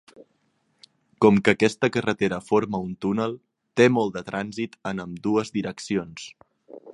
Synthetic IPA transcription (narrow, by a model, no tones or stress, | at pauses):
kɔmkəːkɛst̪əkərət̪eɾəfoɾməunt̪unəlˠ | t̪emɔlˠd̪ət̪ɾʔanzit̪ənəmd̪uəzðiɾəksions